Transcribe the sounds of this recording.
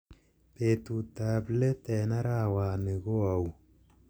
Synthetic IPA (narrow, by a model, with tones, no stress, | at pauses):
pe˨tu˨ta˨ble˦tɛ˨na˦ɾaː˦˨waː˨ne˨ko˦a˨w